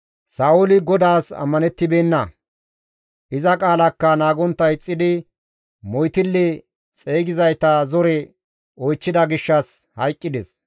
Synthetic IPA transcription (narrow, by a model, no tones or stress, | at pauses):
saːʊlɪɡɔd̪aːsɐ̰mːɐnɛt̪ːɪbeːnːɐ | ʔɪzɐkʼaːlɐkːɐnaːɡɔnt̪ːɐjt͡sʼːɪd̪ɪ | mɔjt̪ɪlːɛ | t͡sʼeːɡɪzɐjt̪ɐzɔɾɛ | ɔjt͡ʃːɪd̪ɐɡɪʃːɐshɐjkʼːɪd̪ɛs